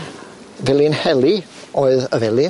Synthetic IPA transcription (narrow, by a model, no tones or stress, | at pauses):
vɪlˠinhɛlˠiɔɨðəvɛlˠi